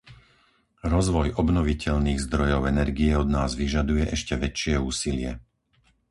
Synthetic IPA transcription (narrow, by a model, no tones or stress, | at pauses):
ɾɔzʋɔjʔɔbnɔʋicɛʎniːɣzd̪ɾɔjɔʊɛnɛɾɡiɛɔd̪naːzʋiʒad̪ujɛʔɛʃcɛʋɛt͡ʃɪɛuːsilɪɛ